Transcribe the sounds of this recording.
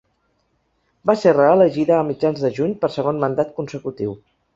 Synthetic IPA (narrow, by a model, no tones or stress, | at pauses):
baserəələʒiðəːmid͡ʒanzðəʒuɲpəɾsəɣ̞onmənd̪at̪̚kunsəkut̪iw